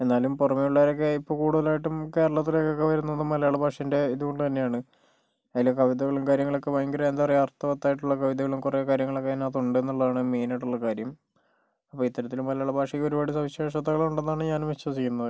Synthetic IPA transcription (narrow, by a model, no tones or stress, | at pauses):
e̞nːaːlumpurɐmeuɭːɐʋɐɾo̞k̬ːeipːo̞ːkuːɽuðɐlaːjiʈːumke̞ːɾɐɭɐt̪̬ːilokːokːeʋɐɾunːenːɨmːɐlɐjaːɭɐbʱaːʂɐnde̞iðuɣo̞ɳɖut̪ɐnːe̞jaːɳɨ | ɐðilːekɐʋiðɐɣɐɭumkaːɾjɐŋːɐɭo̞kːeʋɐjŋɡiɾɐend̪arijart̪ːɐʋɐt̪ːaːjʈːuɭːɐkɐʋiðɐɣɐɭumkurekaːɾjɐŋːɐɭokːenat̪̬ːuɳɖɨenːuɭːɐðaːɳɨmeːnaʈːuɭːɐkaːɾjɐm | ɐpːoːit̪ːɐɾɐt̪ːilumːɐlɐjaːɭɐbʱaːʂɐkːo̞ɾubaːɽisɐʋiɕe̞ːʂɐt̪ːɐɣɐɭuɳɖenːaːɳɨɲaːnmeɕɐsikːunːɐðɨ